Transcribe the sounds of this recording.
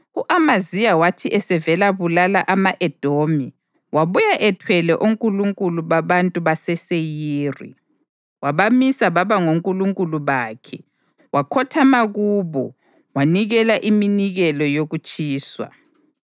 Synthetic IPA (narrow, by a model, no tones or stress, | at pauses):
uʔamazijawatʰiʔɛsɛvɛlaβulalaʔamaʔɛd̥ʱomi | waβujaʔɛtʰwɛlɛʔuŋkʼuluŋkʼuluβaβantʼuβasɛsejiːrḭ | waβamisaβaβaŋoŋkʼuluŋkʼuluβaːkʰɛ | wakʰɔtʰamaɣuβɔ̰ | waniɣɛlaʔiminiɣɛlɔjoɣut͡ʃʼiːswa̰